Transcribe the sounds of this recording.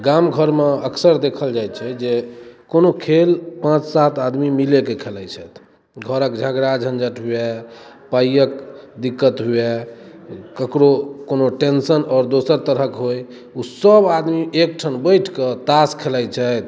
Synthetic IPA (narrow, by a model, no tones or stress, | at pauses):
ɡamɡʱəɾmeəksəɾd̪ekʰəld͡ʒaj̪t͡ʃʰɛd͡ʒekonokʰelpãt͡ʃsat̪ad̪mimilekekʰelɛjt͡ʃʰɛt̪ʰ | ɡʱəɾəkd͡ʒʱəɡɾad͡ʒʱənd͡ʒəʈɦuɛ | pajək̚d̪ikːət̪ɦue | kəkɾokonoʈensənɔːɾd̪osəɾt̪əɾɦəkɦoj | usəbad̪miʔek̚ʈʰənbəjʈʰkət̪askʰelɛjt͡ʃʰɛt̪ʰ